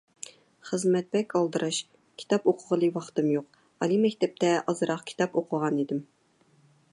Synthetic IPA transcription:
χəzmɛt̪̚bɛkʲɑlˠd̪ɨɾɑʃ | kʲʰi̥t̪ʰɑpoqʰʊʁəlˠɨwɑχt̪ɨmjoq | ɑlˠimɛkʲt̪ɛp̚t̪ʰɛʔɑzɨɾɑqkʲʰi̥t̪ʰɑpoqʰʊʁɑnid̪ɪm

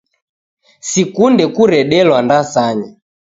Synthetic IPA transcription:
sikundɛkuɾɛɗɛlwandasaɲa

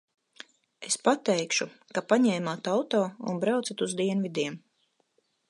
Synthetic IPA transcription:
e̞spat̪ɛjkʃu | kapaɲɛːmaːt̪awt̪ɔːṵnbɾawt̪sat̪uzd̪iɛnvid̪iɛm

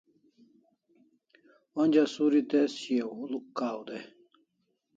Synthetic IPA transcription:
wonʲd͡ʑasuɾit̪esiewulukːaːwd̪e

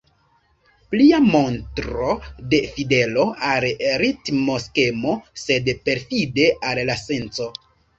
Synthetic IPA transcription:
pliamo̞ntɾo̞de̞fide̞lo̞alɾitmo̞ske̞mo̞se̞dpe̞ɾfide̞ʔallase̞nt͡so̞

